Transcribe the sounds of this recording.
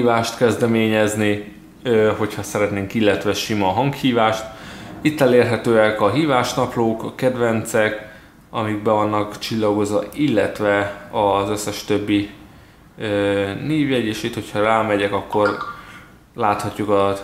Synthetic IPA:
ivaːʃt̪kɛzd̪ɛmeːɲɛzni | ɦo̞chɒsɛɾɛt̪neːŋkilːɛt̪ʋɛʃimɒɦɒŋkhiːvaːʃt̪it̪ːɛleːrɦɛt̪øːɛkɒɦiːvaːʃnɒploːkɒkɛd̪vɛnt̪sɛk | ɒmiɡ̚bɛvɒnːɒkt͡ʃilːɒɡo̞zʋɒ̰ilːɛ̰t̪ʋɛɒzøsːɛʃt̪ø̞bːi | øneːvjɛɟeːʃit̪ho̞cʰhɒraːmɛɟɛkɒkːo̞r | laːt̪hɒcːukɒ

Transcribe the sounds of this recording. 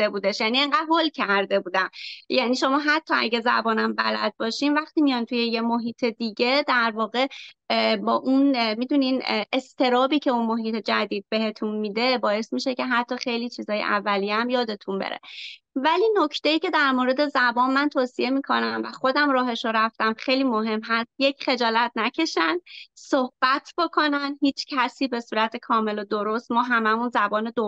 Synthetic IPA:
ebuːd̪eʃjænieŋɢæd̪̥ɦolcʰæɾd̪e̞buːd̪æmjæniːʃo̞mɒːɦæt̪ʰːɒæ̰ɟezæ̰bɒːnæmbæ̰læ̰d̪̚bɒːʃiːmvæxt̪iːmijɒnt̪ʰuje̞jemoɦiːt̪ʰe̞d̪iːɟe̞d̪æɾvɒːɣe̞ | bɒːʔunmid̪uninʔest̪ʰe̞ɾɒːbiːcʰe̞unmo̞ɦiːt̪ʰe̞d͡ʒæd̪iːd̪̚be̞he̞t̪ʰunmiːd̪e̞bɒːje̞smiʃe̞ce̞ɦæt̪ʰːɒːxe̞jlit͡ʃʰiːzɒːjḛʔævːælijeæmjɒːd̪e̞t̪ʰunbḛɾḛ | væliːnocʰt̪ejiːce̞d̪æɾmoːɾe̞d̪e̞zæbɒːnmænt̪ʰoːsie̞miːkʰo̞̰næmvæχo̞d̪æmɾɒːɦe̞ʃoɾæft̪æmχejliːmoɦe̞mːɦæst̪je̞cχe̞d͡ʒɒːlæt̪̚ʰnæcʰe̞ʃænd̪sohb̥æt̪ʰb̥o̞kʰo̞nænhiːt͡ʃʰcʰæsiːbe̞suːɾæt̪ʰe̞kʰɒːme̞lod̪oɾo̞st̪mɒːɦæmæmunzæbɒːned̪o

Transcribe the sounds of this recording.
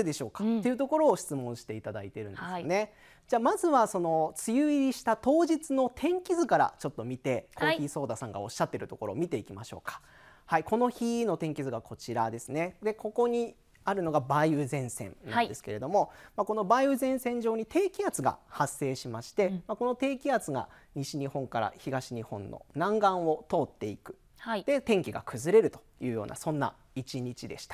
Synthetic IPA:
ɯd̪e̞ɕo̞ːkḁt̪ːe̞iɯ̟t̪o̞ko̞ɾo̞ːɕi̥t͡sɨmõ̞ɰ̃ɕi̥t̪e̞it̪ad̪ait̪e̞ɾɯ̟̃nd̪esɨne̞ | d͡ʑaːmazɨβaso̞no̞t͡sɨjɯːiɾʲiɕi̥t̪at̪o̞ːʑit͡sɨno̞t̪ʰẽ̞ŋkʲizɨkaɾa̰t͡ɕo̞t̪ːo̞mʲit̪e̞kʰoçiso̞ːd̪asãŋɡa̰o̞̰ɕːat̪ːe̞ɾɯ̟t̪o̞ko̞ɾo̞ːmʲit̪e̞ikʲimaɕo̞̰ːkḁ | haiko̞no̞çino̞t̪ẽ̞ŋkʲizɨɡakʰo̞t͡ɕiɾad̪e̞sɨne̞d̪e̞ko̞ko̞ɲ̟i | aɾɯ̟no̞ɡabaiɯ̟zẽ̞ɰ̃sẽ̞̰nnã̰d̪e̞sɨ̥ke̞ɾe̞d̪o̞mo̞mako̞no̞baiɯ̟zẽ̞ɰ̃sẽ̞ɲ̟d͡ʑo̞ːɲ̟it̪ʰe̞ːkʲiat͡sɨɡa̰hasːe̞ːɕimaɕi̥t̪e̞mako̞no̞t̪e̞ːkʲiat͡sɨɡa̰ | ɲ̟iɕiɲ̟ihõ̞ŋkaɾa̰çiɡaɕiɲ̟ihõ̞nːo̰nãŋɡãɰ̃o̞t̪o̞ːt̪ːe̞ikɯ̟̥ | d̪̥e̞t̪ẽ̞ŋkʲiɡa̰kʰɯ̟zɨɾe̞ɾɯ̟t̪o̥jɯ̟ːjo̞ːna̰sõ̞nːa̰ | it͡ɕiɲ̟it͡ɕid̪e̞ɕi̥t̪ḁ

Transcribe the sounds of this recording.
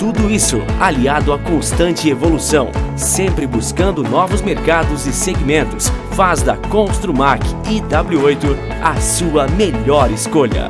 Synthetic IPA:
t̪ud̪ʊisʊ̰aliad̪ʊakõst̪ɐ̃nt͡ʃɪevolusɐ̃w̃ | sẽmpɾɪbuskɐ̃nd̪ʊnɔvʊzmeɾkad̪ʊzɪseɡimẽnt̪ʊs | fazd̪ɐkõst̪ɾumaɾkɪd̪abluojt̪ʊ | ɐsuɐmeʎɔɾɪskoʎɐ̰

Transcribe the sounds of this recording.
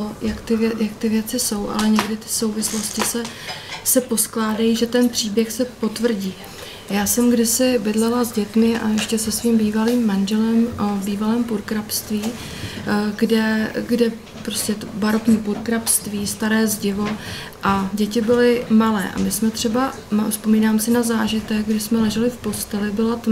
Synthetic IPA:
ojakt̪ɪjakt̪ɪvjɛt͡sɪso̞wʔa̰lɛɲɛɡdɪt̪ɪ̥so̞wvɪslo̞scɪsɛ | sɛpo̞sklaːdajiʒɛt̪ɛnpr̝̥iːbjɛxsɛpo̞t̪vr̩ɟiː | jaːsɛmɡdɪsɪbɪdlɛlazɟɛt̪mɪʔa̰jɛʃcɛsɛsviːmbiːvaliːmːanʒɛlɛmbiːvalɛːmpuɾkɾapst̪viː | ɡdɛɡdɛ | pɾo̞scɛt̪obaɾokɲiːpuɾkɾapst̪viːst̪aɾɛːzɟɪvo̞ | ʔaɟɛcɪbɪlɪmalɛːʔa̰mɪsmɛt̪r̝̥ɛba | mafspo̞miːnaːmsɪnazaːʒɪt̪ɛk̚ɡdɪsmɛlɛʒɛlɪfpo̞st̪ɛlɪbɪlat̪

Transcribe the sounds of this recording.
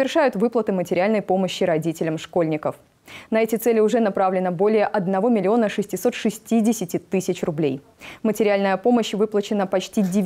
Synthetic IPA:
ɪrʂajʊt̪vɨplˠət̪ɨmətʲɪɾʲɪalʲnəjpo̞məɕːɪɾɐdʲitʲɪlʲəmʂko̞lʲnʲɪkəf | nɐɛtʲɪt̪sɛlʲɪʊʐɛnɐpɾavlʲɪnəbo̞lʲɪjəʔɐd̪nɐvo̞mʲɪlʲɪo̞nəʂɨsʲtʲɪso̞t̪ʂɨsʲtʲidʲɪsʲɪtʲɪt̪ɨsʲɪt͡ɕrʊblʲej | mətʲɪɾʲɪalʲnəjəpo̞məɕːvɨplˠət͡ɕɪnəpɐt͡ɕtʲidʲɪ

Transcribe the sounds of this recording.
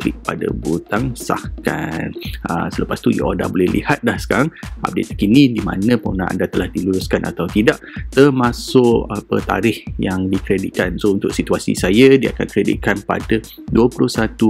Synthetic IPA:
klɪk̚padə̰but̪aŋsa̰hka̰nə̰sələpast̪uja̰ʔoda̰bolɛhlḭhat̪̚lahsə̥kaɾaŋa̰p̚det̪̚akinĩdima̰nə̃pəunãʔa̰ndat̪əlahdiluɾʊskanʔa̰t̪awt̪idaʔt̪ərmasʊʔapət̪a̰ɾɪhjaŋdikɾedit̪̚kansount̪ʊk̚sit̪uasḭsajədia̰kankɾedḭt̪̚kanpa̰dəduəplʊhsat̪u

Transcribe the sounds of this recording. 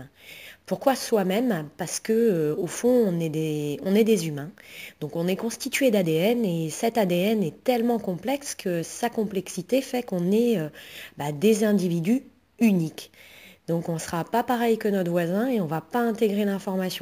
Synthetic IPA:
puʁkwaswamɛmpaʁsə̥kəøofɔ̃ɔ̃nɛd̪eɔ̃nɛd̪ezymɛ̃d̪̥ɔ̃kɔ̃nɛkɔ̃st̪it̪ɥed̪ad̪eɛnesɛt̪ad̪eɛnɛt̪ɛlmɑ̃kɔ̃plɛkskʰəsakɔ̃plɛksit̪efɛkɔ̃nɛøbad̪ezɛ̃d̪ivid̪y | ynikd̪ɔ̃kɔ̃səχapapaʁɛjkənɔt̪vwazɛ̃eɔ̃vapaɛ̃t̪eɡʁelɛ̃fɔʁmasjɔ̃

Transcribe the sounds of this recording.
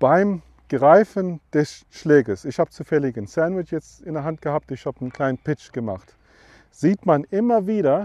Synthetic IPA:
b̥aɪm | ɡ̥ʁaɪfənd̥ɛsʃlɛːɡəsɪçhaːbət͡suːfɛlɪɡənsandwɪt͡ʃjɛt͡stɪndɛɐɦantɡ̥əhaːp̚tɪçhaːbənkʰl̥aɪnənpɪt͡ʃɡ̥əma̰χt | z̥iːtmanʔɪmɐviːɾɐ

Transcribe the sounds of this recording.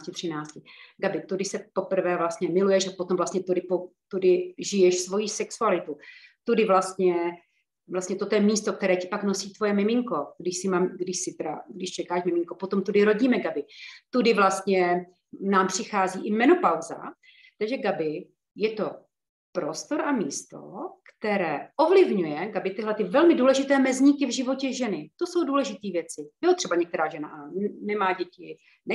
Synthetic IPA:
cɪt̪r̥ɪnaːt͡scɪɡabɪt̪odɪsɛpo̞pr̩vɛːvlast̪ɲɛmɪlujɛʃapo̞t̪omvlast̪ɲɛt̪odɪpot̪udɪʒɪjɛʃsvo̞jisɛksualɪt̪ut̪odɪvlast̪ɲɛ | vlast̪ɲɛt̪o̞t̪ojɛmiːst̪ok̚t̪ɛɾɛːcɪ̥paknosiːt̪vo̞jɛmɪmɪŋko̞ɡdɪʃsɪmaːmɡdɪʃsɪt̪ɛɾa̰ɡdɪʃt͡ʃɛkaːʃmɪmɪŋkopot̪omt̪udɪɾo̞ɟiːmɛɡabɪt̪udɪvlast̪ɲɛ | naːmpr̝̥ɪxaːziːʔɪmɛno̞pawza̰ | t̪aɡʒɛɡabɪ | jɛt̪o̞ | pɾo̞st̪o̞ɾʔamiːst̪o̞̰kt̪ɛɾɛːʔo̞vlɪvɲujɛɡabɪt̪ɪɦlɛt̪ɪvɛlmɪduːlɛʒɪt̪ɛːmɛzɲɪkɪvʒɪvo̞cɛʒɛnɪt̪o̞so̞wduːlɛʒɪt̪iːvjɛt͡sɪjot̪r̥ɛbaɲɛk̚t̪ɛɾaːʒɛna̰ʔanɛmaːɟɛcɪ | nɛ

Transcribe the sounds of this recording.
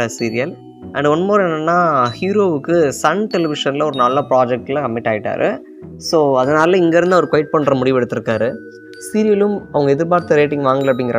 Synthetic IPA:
ɐsiːɾɪjɐl | ʔɐ̰ɳɖɔnːmɐːɾɐ̃enːɐnːaːhjuːɾoːʋɯkːɯsɐnʈɛlɪʋɪʂɐnlɐɔɾɯnɐlːaːpɾaːd͡ʒɛk̚ʈɪlãkɐmːɪʈːaːʋɪʈːa̰ːɾʔɯ̰ | soːɐðɐnaːlɐlɐ̃ɪŋɡɐɾɯnd̪aɔɾɯkɔjɪʈ̚pɐɳːɾɐmʊɽɪʋɛɽɯt̪ːɯɾɯkːaːɾɯ | siːɾɪjɐlɯmɐʋɐŋɡɐɛðɯɾpaːɾt̪ːɯɾeːʈɪ̃ŋɡʋaːŋɡɐlɐp̬ːɽɪŋɡɪɾɐ

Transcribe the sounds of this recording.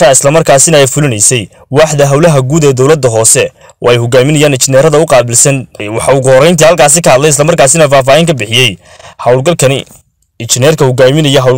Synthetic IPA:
ɐɪslɐmɐrkʰaːsɪnɐɛjfʊlɪnɛjsɛj | wɑːħd̪ɐɦɐwlɐɦɐɡuːd̪ɛːd̪ɔwlɐd̪ːɐɦɔːsɛ | wʔɑ̰ːɛjhʊɡaːmɪnɐjaːnɪt͡ʃɪnɛːɾɐðɐʊqɑːbɪlsɐnwɑħɑʊɣʊhɔɾɛjnt̪ʰiːhɐlkʰaːs̬ɪkʰɐhɐd̪lɛjɪs̬lɐmɐrkaːs̬ɪnɐfaːf̬aːhɪŋkʰɐbɪħɪjɛj | hɐwlɐɐ | ɪt͡ʃɪnɛːrkʰɐhʊɡaːmɪnɐjɔɦɐwl

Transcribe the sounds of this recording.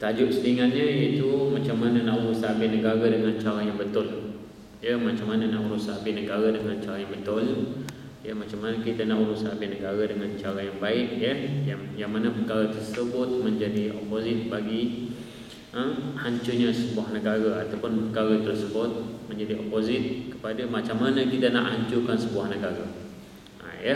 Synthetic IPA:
t̪ad͡ʒʊʔsəɾiŋat̪̚ɲə̃it̪umãt͡ʃamːanənãuusabɪnəɡaɾadəŋãnt͡ʃaɾajaŋbət̪ʊl | jəmat͡ʃamːanənauɾusabɪnəɡaɾadəŋãnt͡ʃaɾajaŋbət̪ʊl | jəmat͡ʃamːanəkit̪ənauɾusabɪnəɡaɾadəŋant͡ʃaɾajaŋbaɪʔjəjaŋjaŋmanapəkaɾat̪ərsəbʊt̪̚mə̃ɲd͡ʒadiʔopozɪt̪̚baɡi | əhaɲt͡ʃuɲasəbuahnəɡaɾaat̪awpʊnpəkaɾat̪ərsəbʊt̪̚mə̃ɲd͡ʒadiʔopozɪt̪̚kə̥padamat͡ʃamːanə̃kit̪aʔna̰ʔhaɲt͡ʃukansəbuahnəɡaɾa̰ | jə

